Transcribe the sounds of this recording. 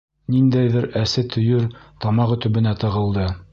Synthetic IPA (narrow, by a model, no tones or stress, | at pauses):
nind̪æjðɘɾæsɘt̪ʰɵ̆jɵɾt̪ɑmɑqɵ̆t̪ɵ̆βɘ̆næt̪ɤ̆ʁɤ̆lˠd̪ɤ